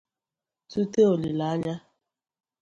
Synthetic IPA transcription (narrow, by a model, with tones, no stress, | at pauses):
tu˦te˦o˨li˨la˨˦a˦ɲa˦